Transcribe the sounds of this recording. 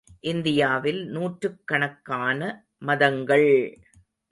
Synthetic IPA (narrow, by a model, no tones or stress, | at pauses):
ʔɪnd̪ɪjaːʋɪlnuːʈrɯkːɐɳɐkːaːnɐ | mɐðɐŋɡɐɭ